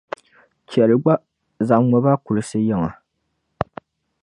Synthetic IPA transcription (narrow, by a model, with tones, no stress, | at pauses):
t͡ʃɛ˨lɨ˨ɡ͡ba˦ | za˨ʔmɔ˨ba˦ku˨lɨ˦sɨ˦jɛ˨ŋa˨